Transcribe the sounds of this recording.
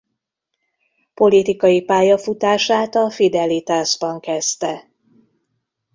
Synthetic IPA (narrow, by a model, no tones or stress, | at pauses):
po̞lit̪ikɒjipaːjɒfut̪aːʃaːt̪ɒfid̪ɛlit̪aːʒbɒŋkɛst̪ɛ